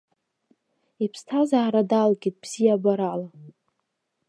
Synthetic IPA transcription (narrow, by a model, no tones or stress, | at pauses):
ipʰstʰazaːɾadalkʲʼit̚bz̥ijabaɾala